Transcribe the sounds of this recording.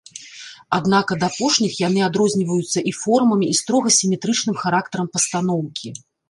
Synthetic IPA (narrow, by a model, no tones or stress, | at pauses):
ad̪nakɐd̪ɐapɔʂnʲixjan̪ɨad̪ɾɔzʲnʲivɐjut̪sːɐʔifɔrmɐmʲiːst̪ɾɔɣɐsʲimʲɛt̪ɾɨt͡ʂnɨmxaɾak̚t̪ɐɾɐmpɐst̪anɔwkʲi